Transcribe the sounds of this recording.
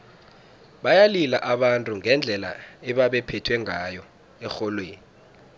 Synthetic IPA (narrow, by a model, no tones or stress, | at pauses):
ɓajalilaʔaɓantʼuŋɛnd͡ɮʱɛla̰ɛɓaɓɛpʰɛtʰwɛŋʱajɔ | ɛxɔlweːni